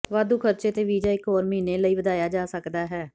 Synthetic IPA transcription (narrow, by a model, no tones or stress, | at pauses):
ʋaːd̪uːkʰəɾt͡ʃeːt̪eːʋiːd͡ʒaːɪkɦoːɾməɦiːneːləiːʋəd̪aːjaːd͡ʒaːsəkd̪aːɦɛː